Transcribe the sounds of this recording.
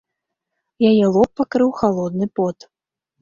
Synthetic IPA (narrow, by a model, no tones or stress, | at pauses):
jajɛlˠɔpːakɾɨwxalˠɔd̪nɨpɔt̪